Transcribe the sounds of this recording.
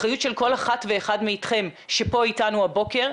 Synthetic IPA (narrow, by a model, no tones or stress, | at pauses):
χajutʃelko̞laχatveːχadmeit̪χe̞mʃepo̞itanuabo̞ke̞ʁ